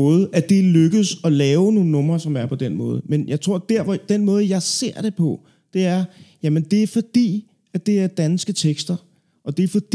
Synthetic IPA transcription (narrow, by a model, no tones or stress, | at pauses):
ɔ̽ːð̩ˠʔæd̥e̝løɡ̥əð̩ˠsɒ̽lɛːʊno̝ːn̩nːɔ̽m̰ʁɐsɒ̽mæɐpʰɒ̽d̥enmɔ̽ːð̞̩ˠmenjɑ̈ɪt͡sʰʁo̝ɐ̰d̥æɐ̰ʋɒd̥enmɔ̽ːð̞̩ˠjɑ̈ɪse̝ɐ̰ɾ̥e̝pʰɒ̽ | d̥e̝æɐjæmənd̥e̝æɐfɒ̽d̥ḭː | æd̥e̝æɐd̥ænsɡ̥ət͡sʰeɡ̥sd̥ɐ | ʔɒ̽d̥e̝fɒd̥i